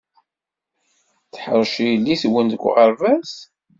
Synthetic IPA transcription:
θħəɾˤʃijəlːiswənd̪əɡʷːʁəɾvæs

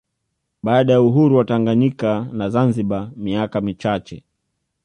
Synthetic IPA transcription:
ɓaːɗajauɦuɾuwataŋɡaɲikanazanziɓamiakamit͡ʃat͡ʃɛ̰

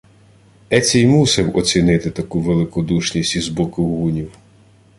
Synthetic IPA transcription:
ɛt͡sʲɛjmusɛwɔt͡sʲinɪt̪ɪt̪ɐkuʋelˠɪkɔd̪uʃnʲisʲtʲizbɔkʊɦunʲiw

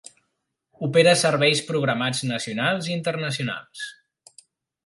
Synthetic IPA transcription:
upeɾəsəɾβɛjspɾuɣɾəmad͡znəsiunalˠzint̪ərnəsiuna̰lˠs

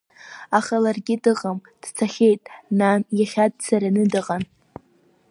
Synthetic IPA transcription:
aχalarɡʲɪdɨʁamd̥t͡sʰaχʲe̞jtʼnanjaχʲad̚t͡sʰaɾanɨdɨʁan

